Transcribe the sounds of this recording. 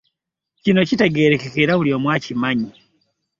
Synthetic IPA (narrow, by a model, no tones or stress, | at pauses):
t͡ʃinɔt͡ʃitɛɡɛɾɛkɛkɛɾauliɔmwat͡ʃimaɲi